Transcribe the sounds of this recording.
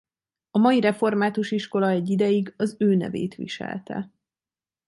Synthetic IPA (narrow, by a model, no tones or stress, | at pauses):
ɒmɒjiɾɛfo̞rmaːt̪uʃiʃko̞lɒɛɟːid̪ɛjiɡɒzøːnɛ̰vḛːt̪ʋḭʃɛ̰lt̪ɛ̰